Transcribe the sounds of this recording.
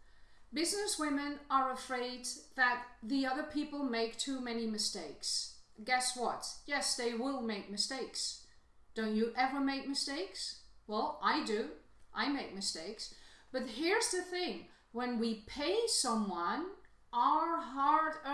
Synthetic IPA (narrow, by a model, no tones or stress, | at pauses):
bɪznɨswɪ̃mɨ̃nə˞əfɹeɪd̪̚ðɨt̪̚ðiʌðə˞pʰipl̩ˠmeɪk̚tʰʉmɛnimɨsteɪksɡ̥ɛswʌtjɛsðeɪwɪlˠmeɪk̚mɨsteɪks | d̥õʊ̃nt͡ʃɨʔɛvə˞meɪk̚mɨsteɪkswɛlˠʔaɪdʉ | ʔaɪmeɪk̚mɨsteɪksb̥ʌt̚ɦiɹzðɨθɪ̃ŋ | wə̃nwipʰeɪsʌ̃mwʌ̃n | ʔə˞ɦɑɹɾ